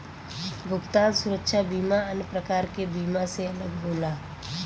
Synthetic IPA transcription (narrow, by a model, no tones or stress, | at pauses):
bʱʊpt̪aːlsʊɾəkʃabiːmaənpɾəkaːɾkebiːmaseɐləɡɦoːlaː